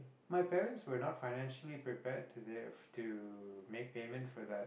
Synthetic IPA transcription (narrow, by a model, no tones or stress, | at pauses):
maɪpɛɹə̃ntswənɔtfaɪnæ̃nʃəlipɹipɛd̚tʰutʰumek̚peːmə̃ntfɔðət̚